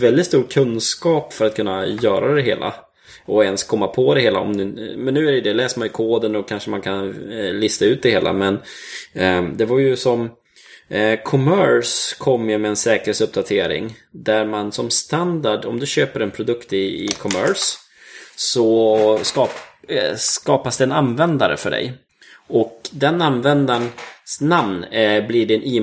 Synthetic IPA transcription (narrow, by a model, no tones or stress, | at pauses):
vɛld̪ɪt̪st̪uːkʰɵnːskɑːpfœɾat̪̚kʰɵnːajœːɾad̪ɛɦḛːlʔa̰ | ɔɛnskʰɔmːapʰɔd̪ɛheːla̰ɔ̰md̪mɛnːʉ̟ːæɾɛjəd̪ɛlɛːsəɾmanjɵkʰoːd̪ənɔkʰanʂəmankʰanlɪst̪aʉ̟ːt̪̚d̪ɛheːlʔa̰mɛn | d̪ɛvaɾjɵsɔm | kʰɔmœɾskʰɔmːjɵmɛːnsɛːkəɾheːsɵp̚d̪at̪ʰeːɾɪ̰ŋd̪æɾmansɔmst̪and̪aɖɔmd̪ɵɕøːpəɾɛnpʰɾʊd̪ɵkt̪ɪɪkʰɔmœ̰ʂ | sɔskɑː | skɑːpasd̪ɛːnanvɛnd̪aɾə̰fœɖɛ̰j | ɔkd̪ɛnanvɛnd̪aɳsnamnblɪɖɪniː